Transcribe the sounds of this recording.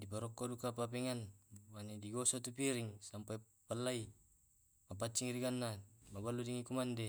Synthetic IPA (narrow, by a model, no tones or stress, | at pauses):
dipaɾɔkːodukapap̬ɛŋanwanidiɡosot̪upiɾiŋsampa | palːai | map̬at͡ʃːiŋɾiɡanːamabalːudiŋikumande